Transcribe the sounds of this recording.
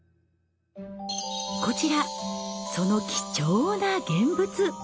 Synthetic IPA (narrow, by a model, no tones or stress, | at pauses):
ko̞t͡ɕiɾaso̞no̞kʲi̥t͡ɕoːnaɡẽ̞mbɯ̟t͡sɨ